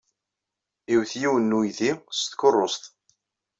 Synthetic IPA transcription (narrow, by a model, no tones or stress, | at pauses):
iwθjiwənːujðist̪kʊrˤːost̪